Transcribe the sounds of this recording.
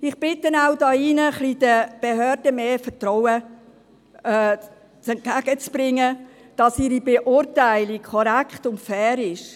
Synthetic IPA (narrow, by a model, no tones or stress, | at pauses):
ɪχb̥ɪtdənaʊdɑːinəχlid̥əb̥ehøːɾd̥əmeːfətrɔwə | t͡sɛnt̚ɡ̥æɡ̥ət͡sb̥ɾɪŋːə | d̥ɑsiɾibeʔʊɾtæɪlikʰɔɾækχtʊntfɛːɾɪʃ